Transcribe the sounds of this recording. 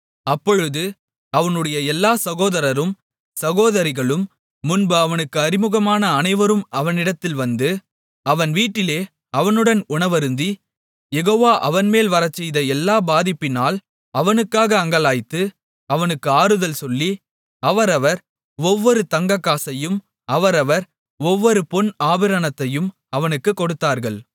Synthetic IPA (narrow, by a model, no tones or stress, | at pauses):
ɐpːɔɻɯðɯ | ɐʋɐnɯɽɐjɐɛlːaːsɐɣoːðɐɾɐɾɯm | sɐɣoːðɐɾɪɣɐɭɯmː | ʊnbɯɐʋɐnɯkːɯɐɾɪmɯɣɐmaːnɐːnɐɪʋɐɾɯmɐʋɐnɪɽɐt̪ːɪlʋɐnd̪ɯ | ɐʋɐnʋiːʈːɪleː | ɐʋɐnɯɽɐnʊɳɐʋɐɾɯnd̪i | jɛɣoːʋaːʔɐʋɐnmeːlʋɐɾɐt͡ʃːɛjðɐɛlːaːbaːðɪpːɪnaːl | ɐʋɐnɯkːaːɣɐːŋɡɐlaːjt̪ːɯ | ɐʋɐnɯkːɯaːɾɯðɐlsɔlːi | ɐʋɐɾɐʋɐɾ | ɔʋːɔɾɯt̪ɐŋɡɐkːaːsɐjɯm | ʔɐʋɐɾɐʋɐɾ | ɔʋːɔɾɯpɔnaːʋɪɾɐnɐt̪ːɐjɯm | ɐʋɐnɯkːɯkːɔɽɯt̪ːaːɾɣɐɭ